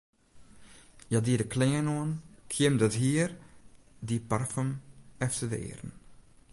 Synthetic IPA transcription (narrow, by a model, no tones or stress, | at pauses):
jadidəklɛŋənoənkʰɪəmdɔtɦiːr | diparfəmɛftədə̰ɪ̰ːrən